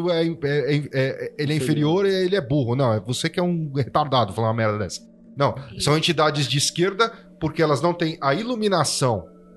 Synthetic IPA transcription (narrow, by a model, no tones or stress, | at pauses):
ʊɛĩɛɛĩɛelɪɛĩfeɾioɾeelɪɛbuɦʊnɐ̃w̃ɛvosekɪɛũhet̪aɾd̪ad̪ʊfalɐ̃ɐmɛɾd̪ɐd̪ɛ̰sɐ̥ | nɐ̃w̃sɐ̃w̃ẽt͡ʃid̪ad͡ʒɪzd͡ʒɪiskeɾd̪ɐ | poɾkeɛlɐznɐ̃w̃t̪ẽj̃ɐilumĩnasɐ̃w̃